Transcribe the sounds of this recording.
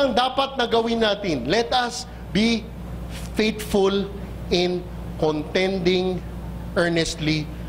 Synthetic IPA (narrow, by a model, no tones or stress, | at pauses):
ɐŋd̪aːpɐt̪̚nɐɡɐwɪnaːt̪ɪnlɛt̪ɐs | bi | fejt̪fʊl | ɪ̃n | kɔnt̪ɛ̃nd̪ɪ̃ŋ | ʔɛɹnɛst̪li